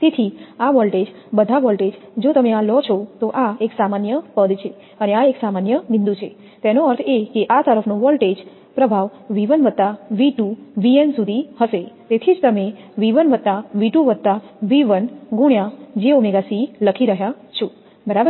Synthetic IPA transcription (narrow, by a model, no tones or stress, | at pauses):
t̪et̪ʰiaʋɔlʈed͡ʒ | bəd̪ʱaʋɔlʈed͡ʒd͡ʒot̪əmeãlɔt͡ʃʰot̪oʔaeksamanjəpəd̪t͡ʃʰe | əneaeksamanjənɪ̃nd̪ut͡ʃʰe | t̪ɛnoəɾt̪ʰekeʔat̪əɾəfʰnũʋɔlʈed͡ʒ | pɾəbʱaʋʋiʋənʋət̪ːaʋiʈũʋiensud̪ʱiɦəʃet̪et̪ʰid͡ʒt̪əme | ʋiʋənʋəd̪t̪ːaʋiʈũʋəd̪̚t̪aʋiʋənɡũɳjad͡ʒeomeɡasiləkʰiɾəɦja | t͡ʃʰo | bəɾabə